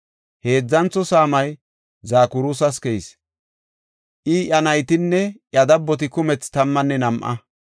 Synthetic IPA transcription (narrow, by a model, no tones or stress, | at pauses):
he̞ːd͡zːɐnt͡sːɔsaːmɐj | zaːkʊɾuːs̬ɐskɛjɪs | ʔɪʔɐnɐjt̪ɪnːɛʔjɐd̪ɐbːɔt̪̬ɪkʊmɛt͡st̪ɐmːɐnːɛnɐmʔɐ̰